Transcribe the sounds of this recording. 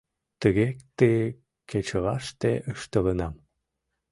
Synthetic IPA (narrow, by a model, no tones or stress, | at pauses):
t̪əɣekt̪e | ket͡ɕəʁɑʃt̪eʔəʃt̪ələnɑm